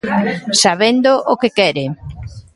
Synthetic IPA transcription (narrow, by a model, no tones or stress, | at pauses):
saβend̪oʔokekɛɾɪ